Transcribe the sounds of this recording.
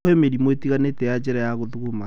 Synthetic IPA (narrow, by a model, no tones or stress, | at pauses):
emeɾimoetiɣanetɛjad͡ʑɛɾajaɣoðuɣoma